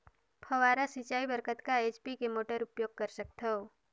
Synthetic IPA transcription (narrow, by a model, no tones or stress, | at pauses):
pʰəʋaːɾasit͡ʃaːibəɾkət̪kaeːt͡ʃpikemoːʈəɾʊpjoːɡ̚kəɾsək̚t̪ʰoo